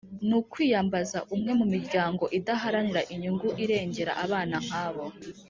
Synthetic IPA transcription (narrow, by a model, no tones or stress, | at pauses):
nukwiːjambazaʔumŋe̞mumiɾɟaːŋɡo̞ʔidaɦaɾaniɾaʔiɲuŋɡuʔiɾe̞ːɲɟe̞ɾa̰ʔaβaːnaŋ̥aːβo̞